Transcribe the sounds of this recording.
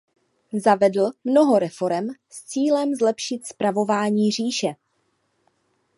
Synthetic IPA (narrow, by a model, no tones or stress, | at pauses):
zavɛdl̩mno̞ɦo̞ɾɛfo̞ɾɛmst͡siːlɛmzlɛpʃɪt̪spɾavo̞vaːɲiːr̝iːʃɛ